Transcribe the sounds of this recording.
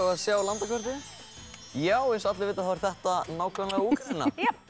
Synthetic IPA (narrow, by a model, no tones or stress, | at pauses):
aðsjaːwlant̪akvɔɾt̪ɪ | jaːwɛsat̪lɪvɪːt̪aθavɪɾ̥θɛht̪anaːwkʰœmlɛɣauːkaɪnːa̰